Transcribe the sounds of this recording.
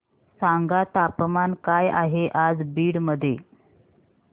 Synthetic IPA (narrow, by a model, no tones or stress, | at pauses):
saŋɡat̪apmankajaɦeʔad͡zbiːɽməd̪ʱːje